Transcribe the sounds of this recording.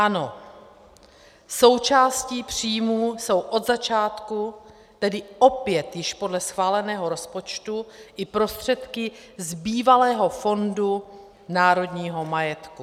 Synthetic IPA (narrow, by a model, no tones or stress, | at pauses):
ʔano̞ | so̞wt͡ʃaːsciːpr̝̥iːjmuːso̞wʔo̞d̪zat͡ʃaːt̪ku | t̪ɛdɪʔo̞pjɛt̪jɪʃpo̞dlɛsxvaːlɛnɛːɦo̞ɾo̞spo̞t͡ʃt̪uʔɪpɾo̞st̪r̝̥ɛt̪kɪ | zbiːvalɛːɦo̞fo̞ndu | naːɾo̞dɲiːɦo̞majɛt̪ku